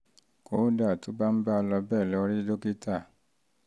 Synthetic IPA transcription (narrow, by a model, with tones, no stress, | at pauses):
koː˨˦da˦˨to˨˦ba˦m̩˦ba˦˧lɔ˧bɛː˦˨lɔ˨˧ɾi˦do˦ki˦ta˦˨